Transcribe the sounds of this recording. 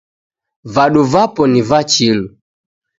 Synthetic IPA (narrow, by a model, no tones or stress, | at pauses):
vaɗuvapɔnivat͡ʃilu